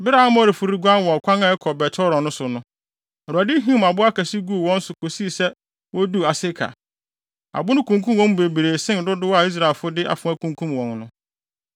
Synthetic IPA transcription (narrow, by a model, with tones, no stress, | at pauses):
bɪ˦ɾa˦a˦mɔ̃˦ɾe˨fʊ˨ɾi˦ɡã˦nwɔ̃˨kʰʷã˦ŋã˨ɛ˦kʰɔ˨bɛ˨tʰɔ˦ɾɔ̃˨nʊ̃˦sʊ˨nʊ̃˦ | ɛ˨ɾu˨a˨dɪ˦ɦĩ˦m˨a˨bʊ˦a˦kæ˨si˦ɡu˦˨wɔ̃˦n̩˦sʊ˨kʰo˨si˦˨sɛ˦ | wɔ˦du˦a˨sɪ˦kʰa̰˨ | a̰˨bʊ˦nʊ̃˦kʰũ˨ŋkʰũ˦m˨wɔ̃˦m˦be˨bi˨ɾe˨sɪ̃˦n˨dʊ˦dʊ˦wa˨i˦s̬ɾa˨e˨lfʊ˦dɪ˦ʔa̰˨fʊ̃˨˦æ˦kʰũ˨ŋkʰũ˦mwɔ̃˨nnʊ̃˦